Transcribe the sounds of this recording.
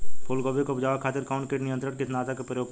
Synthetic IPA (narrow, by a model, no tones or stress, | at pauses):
polɡoːbekopd͡ʒaːʋakʰaːt̪ɪɾkaːʊ̃ɳʈkeːʈnɪjə̃nt̪ɾəɾkɪt̪naːt̪ʰakepɾəjoːɡ̚